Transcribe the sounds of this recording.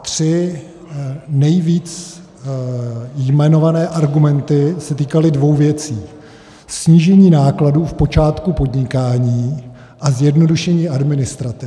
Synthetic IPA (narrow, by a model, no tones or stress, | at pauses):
t̪r̥ɪ | nɛjviːt͡s | jmɛno̞vanɛːʔaɾɡumɛnt̪ɪsɛt̪iːkalɪdvo̞wvjɛt͡siː | sɲiːʒɛɲiːnaːkladuːfpo̞t͡ʃaːt̪kupo̞dɲɪkaːɲiː | ʔazjɛdno̞duʃɛɲiːʔadmɪnɪst̪ɾat̪ɪ